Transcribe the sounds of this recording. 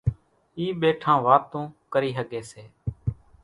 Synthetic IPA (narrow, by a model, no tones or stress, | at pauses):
iːɓeːʈʰãːʋaːt̪õːkəɾiːɦəɠeːseː